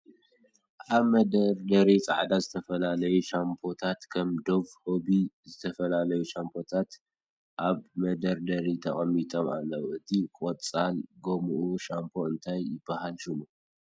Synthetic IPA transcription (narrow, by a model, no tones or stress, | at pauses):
ʔaβmɐd̪ɐɾd̪ɐɾit͡sʼa̰ʕd̪azɨt̪ʰɐfɐlalɐjuʃampʰo̞t̪ʰat̪kʰɐmd̪o̞βho̞βizɨt̪ʰɐfɐlalɐjuʃampʰo̞t̪ʰat̪ | ʔaβmɐd̪ɐɾd̪ɐɾit̪ʰɐχʼɐmːit̪ʼoma̰lːɐwʔɨt̪ʰikʼot͡sʼalɡomuʔuʃampʰo̞ɨnt̪ʰajːɪbːahalʃumu